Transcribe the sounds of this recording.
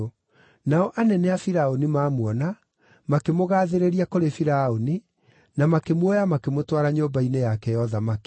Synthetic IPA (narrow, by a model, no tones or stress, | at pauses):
naɔʔanɛnɛafiɾaonimaːmwɔna | makemoɣaːðeɾeɾiakoɾefiɾaoni | namakemwɔjamakemotwaɾaɲoːbainejakɛjɔðamak